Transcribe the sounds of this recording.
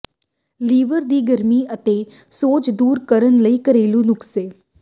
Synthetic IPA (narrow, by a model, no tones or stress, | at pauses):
liːʋəɾd̪iːɡəɾmiːət̪eː | soːt͡ʃd̪uːɾkəɾənləiːkəɾeːlũːnʊkseː